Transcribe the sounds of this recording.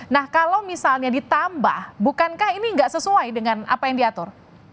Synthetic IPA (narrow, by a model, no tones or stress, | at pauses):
nahkalawmisalɲadit̪amba̰hbukankahiniŋɡaʔsəsuajdəŋana̰pajaŋdiat̪ʊr